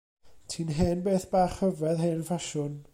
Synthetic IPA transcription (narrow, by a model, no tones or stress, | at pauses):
tʰiːnɦeːnbeːθb̥aːχhəvɛðɦeːnfaʃʊn